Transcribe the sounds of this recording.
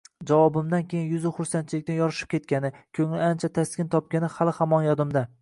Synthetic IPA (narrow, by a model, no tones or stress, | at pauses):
d͡ʒavɒbɪmd̪ankʲʰejɪnjʊzɪχʊɾsant͡ʃʰɪlɪkʲt̪anjɒɾɪʃɪ̥p̚kʲe̞t̪̚kʲanɪkʲʰɵŋlɪant͡ʃʰat̪ʰaskʲɪnt̪ʰɒp̚kʲanɪhalˠɪhamɒnjɒd̪ɪmd̪a